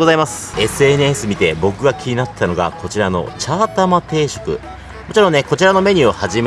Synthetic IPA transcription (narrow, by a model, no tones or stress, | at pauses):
ozaimasɨ̥e̞sɨe̞n̟esɨmʲit̪e̞bo̞kɯ̟ɡakʲʰiɲ̟inat̪ʰːano̞ɡa̰kʰo̞t͡ɕiɾano̞̰t͡ɕaːt̪amat̪e̞ːɕo̞̥kɯ̟̰ | mot͡ɕiɾõ̞nnekot͡ɕiɾano̞me̞ɲ̟ɨohaʑim